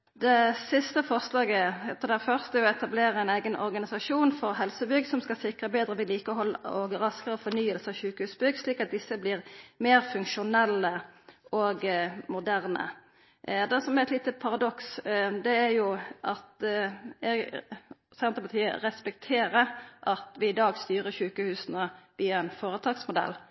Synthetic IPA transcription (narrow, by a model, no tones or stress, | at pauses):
d̪ɛsɪst̪əfɔʁslɑːɡəɛt̪ːəd̪æfœʁst̪æjʊɔɛt̪ɑbleːɾəɛɪnæɪɡənʔɔ̰ʁɡɑnɪsɑʂuːnfɔʁɦɛlsəbʏɡsɔmskɑsɪkʁəbeːd̪ʁəʋɪliːkəɔhɔlːəɔɡɾɑskəʁəfɔnyːəlsəɑçʉːkəhʉːsbʏɡsliːkɑt̪̚d̪ɪsːəblɪːʁmeːɾfʉŋʃʊnɛlːəɔɡmʊd̪æʁnə̰ | d̪ɛsɔmæʁɛt̪liːt̪əpʰɑʁɑd̪ɔksd̪ɛæɾjʊʔɑt̪ | ɛɡ | sɛnt̪əpɑt̪ʰiːə̰ɾɛspɛk̚t̪ʰeːɾəɾʔɑt̪ʋɪɪd̪ɑːɡst̪yːʁəçʉːkəhʉːsnəʋiːɑɛnfoːʁət̪ʰɑːɡsmʊd̪ɛ̰lː